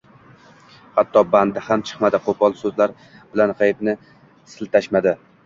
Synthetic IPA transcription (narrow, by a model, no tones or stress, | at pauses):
hat̪ʰːɒband̪ɪhamt͡ʃʰɨ̥qmad̪ɪqʰopʰɒlˠsɵzlaɾ | b̥ɪlanʁajɪp̪nɪ | sɪlt̪ʰaʃmad̪ɪ